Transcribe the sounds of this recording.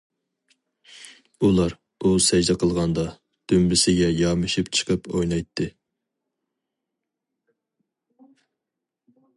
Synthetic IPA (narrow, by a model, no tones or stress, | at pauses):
ulˠɑɾ | usɛd͡ʒd̪ɛqʰəlˠʁɑnd̪ɑ | d̪̥ømlɪsɪɡʲɛjɑmɨʃipt͡ʃʰə̥qʰəpojnɑjt̪ʰːɨ